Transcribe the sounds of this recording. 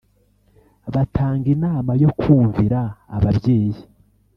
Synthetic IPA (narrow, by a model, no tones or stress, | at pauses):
βatʰaːŋɡinaːmajo̞kʰuːɱviɾa̰ːβabjeːji